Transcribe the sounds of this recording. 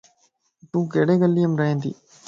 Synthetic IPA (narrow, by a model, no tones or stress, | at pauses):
t̪ũːkeːɽeːɡəlːiːjəmɾɐɦẽːnd̪ḭː